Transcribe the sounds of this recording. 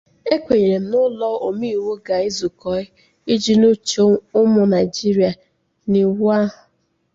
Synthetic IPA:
e˦kʷe˨ɲe˨ɾe˨nʊ˦lɔ˦o˨mi˦i˦˨wo˦ɡa˨i˦zʊ˨kɔ˨˦ɪ˦ | i˦d͡ʒi˦no˦t͡ʃo˦ʊ˦mʊ˨na˨ɪ˨d͡ʒi˦ɾi˨a˨ | ni˨wa˦ɦʊ˨

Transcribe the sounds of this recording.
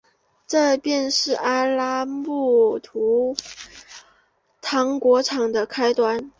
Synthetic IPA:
ʈ͡ʂɤ˥˧pjɛ˥˧nʂɻ̩˥˩a˥la˥mu˥˩t̪ʰu˧˥ | t̪ʰɑ˧˥ŋkwɔ˧˥ʈ͡ʂʰɑ˨˩ŋd̪ə˦kʰa˥ɪt̪wa˧˥n

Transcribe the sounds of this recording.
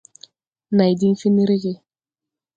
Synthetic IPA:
na˨jdi˦fi˦ni˦ɾi˦ɣɪ˦

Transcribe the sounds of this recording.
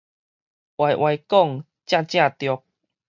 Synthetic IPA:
ʔwa˨jʔwa˨˧jkɔ˥˧˨ŋ | t͡ɕjã˥˧t͡ɕj̃ã˥˧˨t̪jɔ˨˧k̚

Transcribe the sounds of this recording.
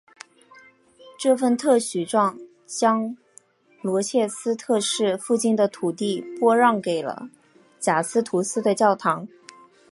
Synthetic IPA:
ʈ͡ʂɤ˥˧fə˥˧nt̪ʰɤ˥˩ɕy˨˩ʈ͡ʂwɑ˥˩ŋ | t͡ɕjɑ˥ŋ | lwɔ˧˥t͡ɕʰjɛ˥˩sɹ̩˥t̪ʰɤ˥˧ʂɻ̩˥˧fu˥˧t͡ɕi˥˩nd̪ə˩t̪ʰu˨˩t̪i˥˩pwɔ˥ɻɑ˥˩ŋke˨˩ɪlə̰˦ | t͡ɕja˨˩sɹ̩˥t̪ʰu˧˥sɹ̩˥d̪ə˨t͡ɕjɑ˥˩ʊt̪ʰɑ˧˥ŋ

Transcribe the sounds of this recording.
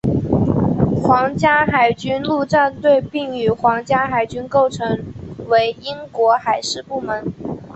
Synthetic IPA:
xwɑ˧˥ŋt͡ɕja˥xa˨˩ɪt͡ɕy˥nlu˥˧ʈ͡ʂa˥˧nt̪we˥˧ɪpi˥˩ŋy˨˩xwɑ˧˥ŋt͡ɕja˥xa˨˩ɪt͡ɕy˥nko˥˩ʊʈ͡ʂʰɤ˧˥ŋwe˧˥ɪi˥ŋkwɔ˧˥xa˨˩ɪʂɻ̩˥˧pu˥˩mə˧˥n

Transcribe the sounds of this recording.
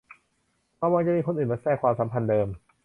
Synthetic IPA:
pɔ˧waː˧ŋt͡ɕa˨miː˧kʰo˧nʔɯː˨˩mbaː˧˥sɛː˥˩kʰwaː˧msa˩˦mpʰa˧ndɤː˧m

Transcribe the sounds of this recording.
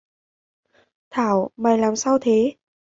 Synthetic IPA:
t̪ʰaː˧˩˨wma˨˩jlaː˨˩msaː˧wt̪ʰe˨˦

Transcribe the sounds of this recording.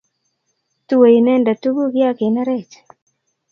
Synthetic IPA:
tu˦we˨i˨nɛ˦nda˨tu˦ɡu˦ɡja˦ke˨na˦ɾɛ˦t͡ʃ

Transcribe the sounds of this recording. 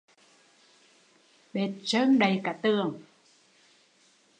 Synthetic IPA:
ɓe˨˩t̚t͡ɕə˧nɗə˨˩jkaː˧˩t̪ɨ˨˩əŋ

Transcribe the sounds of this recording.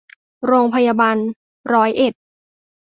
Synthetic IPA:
ɾoː˧ŋpʰa˧jaː˧baː˧n | ɾɔː˦˥jʔe˨˩t̪̚

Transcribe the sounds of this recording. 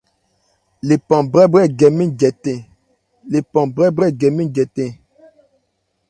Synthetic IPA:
le˨pã˨bɾɛ˦bɾɛ˦˨ɡɛ˨mi˦d͡ʒɛ˨tɛ̃˨ | le˨pã˨bɾɛ˦bɾɛ˦˨ɡɛ˨mi˦˨d͡ʒɛ˨tɛ̃˦˨

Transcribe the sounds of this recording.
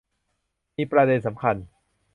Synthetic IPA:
miː˧pɾa˧de˧nsa˩˦mkʰa˧n

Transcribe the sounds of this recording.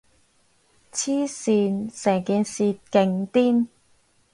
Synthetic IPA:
t͡sʰiː˥siː˧nsɛː˨˩ŋkiː˨˧nsiː˧kɪ˧ŋt̪iː˥n

